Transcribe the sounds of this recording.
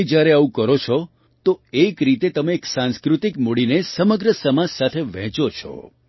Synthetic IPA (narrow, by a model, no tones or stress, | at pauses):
d͡ʒjaɾeaʋũkəɾot͡ʃʰɔ | t̪oekɾit̪et̪əmeːksãnskɾut̪ikmuɽinesəməɡɾəsəmad͡ʒsat̪ʰeʋɛ̃t͡ʃot͡ʃʰɔ̰